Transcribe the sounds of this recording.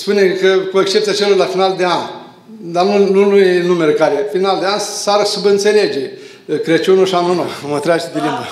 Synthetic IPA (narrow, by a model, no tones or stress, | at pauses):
spunekəkuekst͡ʃept̪sʲiat͡ʃeloɾlafinald̪ean | d̪anunulujenumeɾekaɾefinald̪eansaɾsubɨnt̪seled͡ʒe | kɾet͡ʃunoʃanunomət̪ɾʲaʒid̪elimba